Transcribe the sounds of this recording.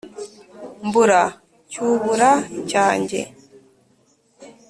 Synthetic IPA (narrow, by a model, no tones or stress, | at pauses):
mbuɾa | t͡ʃuβuɾat͡ʃaːɲd͡ʒɛ̰